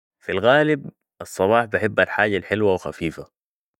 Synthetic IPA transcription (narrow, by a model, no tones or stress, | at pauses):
filɣaːlɪb | ʔɑsˤːɑbɑːħbɪħɪbːalħaːɟalħɪlwawxa̰fiːfa